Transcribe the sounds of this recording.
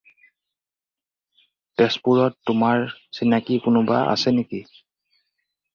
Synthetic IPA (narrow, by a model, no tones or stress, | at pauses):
pɛspuɹɔtːʊmaɹsinakikʊnʊba̰ʔa̰sɛneki